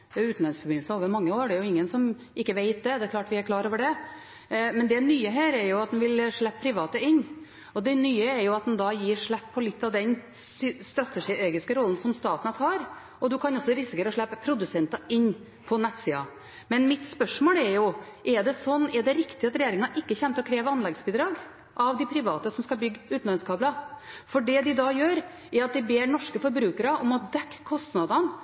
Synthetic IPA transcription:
ɛʉːt̪n̩lɑnsfɔɾbɪnl̩səoːʋəɾmɑŋːəoːɖɛɾjʊɪŋːənsɔm | ʔɪkːəʋeɪt̪̚d̪ɛd̪ɛæɾkʰlɑːʈʋɪæɾkʰlɑːɾoːʋəɖɛ | mɛnd̪ɛnyːəɦæːɾɛɾjʊɑt̪̚d̪ɛnʋɪlʂɭæpːəpʰɾɪʋɑːt̪əɪnː | ɔd̪ɛnyːəɛɾjʊɑt̪̚d̪ɛnd̪ɑːjiːʂɭæpʰːɔlɪt̪ːɑʋd̪ɛnsst̪ɾɑt̪ːɛʂieːɡɪskəɾɔlːən̩sɔmst̪ɑːt̪nət̪ʰɑːɾ | ʔɔd̪ʉkʰɑnɔsːɔɾɪsɪkəɾəʂɭæpːəpʰɾʊd̪ʉsɛnt̪ɑɪnː | pʰɔnɛt̪ːsiːɑ̰ | mɛnmɪt̪spœʂmoːlɛɾjʊʔɛɖɛsɔnːɛɖɛɾɪkt̪ɪɑt̪ɾɛjeːɾɪŋɑʔɪkːəçɛːmt̪ɔkʰɾeːʋəɑnlɛɡsbiːd̪ɾɑːɡ | ʔɑʋd̪ɪpʰɾɪʋɑːt̪əsɔmskɑbʏɡːʉːt̪n̩ɑnskʰɑːblɑfɔɖɛd̪ɪd̪ɑjøːɾ | ɛɾɑt̪̚d̪ɪbeːɾɳɔʂkəfɔɾbɾʉːkəɾəʔɔmɑt̪̚d̪ɛkːkʰːɔst̪nɑd̪ɑn

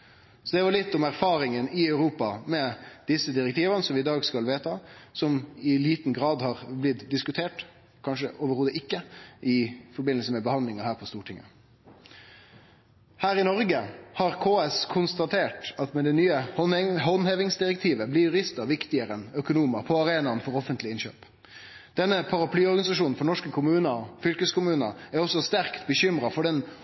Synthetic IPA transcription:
sɔd̪ɛʋɑɭɪt̪ːɔmæɾfɑːɾɪŋənɪɑʉɾuːpɑmɛd̪̥ɪsːəd̪ɪɾɛkt̪ʰiːʋənəsɔmʋɪɪd̪ɑːɡskɑlʋeːt̪ʰɑsɔmɪliːt̪n̩ɡɾɑːd̪hɑʁblɪt̪d̪ɪskʉt̪ʰeːʈ | kʰɑnʂəʔoːʋəɾhoːd̪əʔɪkːəʔɪfɔɾbɪnːəlsəmɛbəhɑnd̪lɪŋɑhæːɾpʰɔst̪uːʈʰɪŋːə̰ | hæːɾɪnɔɾɡəhɑʁkʰoːɛskʰʊnst̪ɑt̪ʰeːʈɑt̪mɛd̪ɛnyːəɔɦɔnheːʋɪŋsd̪ɪɾɛk̚t̪ʰiːʋəblɪɾjʊɾɪst̪əɾʋɪkt̪ɪəɾənœkʊnuːməɾpʰɔɑʁeːnɑnfɔɾɔfənt̪lɪɪnɕø̰ːp | d̪̥ɛnːəpʰɑɾɑpʰlyːɔɾɡɑnɪsɑʂuːnn̩fɔɾɳɔʂkəkʰʊmʉːnəɔfʏlkəskʊmʉːnəæɾɔsːɔst̪æʁkt̪bəɕʏmɾɑfɔɖɛn

